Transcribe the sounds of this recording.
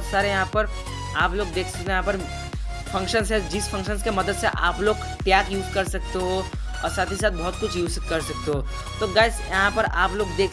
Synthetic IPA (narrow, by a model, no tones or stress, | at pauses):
t̪saːɾejɐɦãpɐɾ | aːploːɡ̚d̪eːkʰsɐt̪jɦãpɐɾ | fʰɐ̃ŋkʃənsɦɛd͡ʒɪspʰɐ̃ŋkʃənskemɐd̪əd̪seʔa̰ːploːɡ | ʈjaːɡjuːzkɐɾsɐk̚t̪eɦoː | ɔːɾsaːt̪ʰisaːt̪̚bɔɦːʊt̪̚kʊt͡ʃʰjuːzkɐɾsɐk̚t̪eɦoː | t̪oːɡaːɪsjɐɦãpɐɾa̰ːploːɡd̪eːk